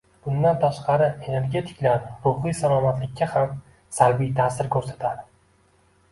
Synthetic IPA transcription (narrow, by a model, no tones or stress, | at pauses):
b̥ʊnd̪ant̪ʰaʃqɑɾɪe̞ne̞ɾɡʲe̞t̪ʰɪ̥kʲlaɾɾʊhijsalˠɒmat̪lɪkʲːaham | salbijt̪ʰaːsɪɾkʰɵɾsat̪ʰad̪ɪ